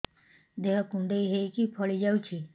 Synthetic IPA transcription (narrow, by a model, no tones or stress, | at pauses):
d̪eɦakũɳɖeiɦeikipʰɔɭid͡ʒaut͡ʃʰi